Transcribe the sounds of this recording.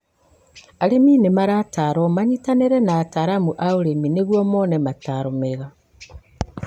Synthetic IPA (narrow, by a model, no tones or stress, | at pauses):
aɾeminemaɾataɾomaɲitaneɾɛnaːtaɾamuʔaoɾemineɣwɔmonɛmataɾomeɣa